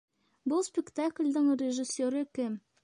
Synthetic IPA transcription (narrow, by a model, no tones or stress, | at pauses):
bɤlˠspʲɪkt̪aklʲd̪ɘŋrʲɪʒɪsʲːoɾɘkɘm